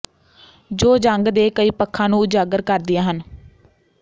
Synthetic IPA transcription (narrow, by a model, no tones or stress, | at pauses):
d͡ʒoːd͡ʒəŋɡd̪eːkəiːpəkʰːãːnũːd͡ʒaːɡəɾkəɾd̪ɪjãːɦən